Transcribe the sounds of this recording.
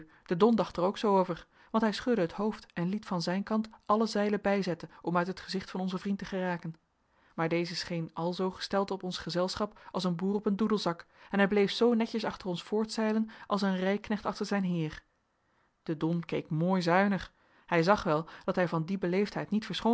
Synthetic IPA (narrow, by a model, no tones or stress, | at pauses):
d̥ədɔndɑχtəɹowksowowvəɹ | ʋɑntɦɛjsχɵdəɦətɦowftɛnlitfɑnzɛjnkɑntʔɑləzɛjləbɛjzɛtənɔmœɥtɦətχəzɪχtfɑnɔnzəvrintəχəraːkən | maːɹdejzəsχejnɑlˠzowχə̥stɛlˠtɔpɔnsχəzɛlˠsχɑpɑlˠsənbuːrɔpəndudəlˠzɑkɛnɦɛjblejfsownɛcəsɑχtərɔnsfʊːɹtsɛjlənʔɑlˠs̬ənrɛjknɛχtɑχtəɹzɛjnɦɪːɹ | d̥ədɔnkejkmoːjzœɥnəχ | hɛjzɑχʋɛlˠd̥ɑtɦɛjvɑndibəlejftɦɛjtnitfəɹsχo